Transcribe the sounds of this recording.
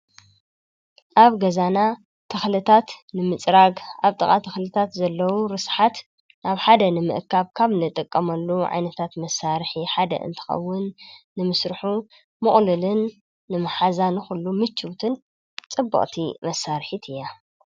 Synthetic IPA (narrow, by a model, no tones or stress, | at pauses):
ʔaβɡɐzana | t̪ʰɐxlɨt̪ʰat̪nɨmɨt͡sʼɾaɡʔaβt̪ʼɨkʼat̪ʰɐxlɨt̪ʰat̪zɐlːɐwuɾɨsħat̪ | naβħad̪ɐnɨmɨ̰ʔkʰaβkʰaβnɨt̪ʼɨkʼːɐmɐlːuʕa̰jnɐt̪ʰat̪mɐsaɾħiħad̪ɐ̰ʔɨ̰nt̪ʰɨ̥xɐ̰wːʊnːɨmɨsɾɨħu | mɨχʼlɨlɨnː | ɨmɨħazanɨxulːumɨt͡ʃːɨwt̪ʰɨn | t͡sʼɨbːɐ̰χʼt̪ʰimɐsːaɾħit̪ʰɨjːa